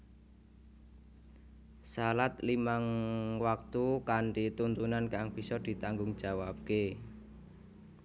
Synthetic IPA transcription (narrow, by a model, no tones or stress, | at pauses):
salat̪limaŋwak̚t̪ukaɳʈit̪unt̪unankaŋb̥i̤sɔd̪̥i̤t̪aŋɡʊŋd̥ʒ̥a̤wab̚ke